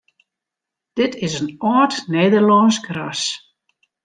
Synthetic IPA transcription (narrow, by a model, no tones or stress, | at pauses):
d̥ɪtʰɪzənɔːtneːdəɹlɔːnsɡras